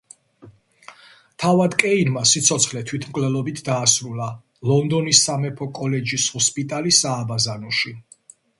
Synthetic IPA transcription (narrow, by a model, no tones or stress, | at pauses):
t̪ʰavad̪kʼɛinmasit̪sʰɔt̪sʰχlɛt̪ʰwit̪ʰmkʼlɛlˠɔbit̪ʰd̪aːsɾula | lɔnd̪ɔnisːamɛpʰɔkʼɔlɛd͡ʒishɔspʼit̪ʼalisaːbazanɔʃi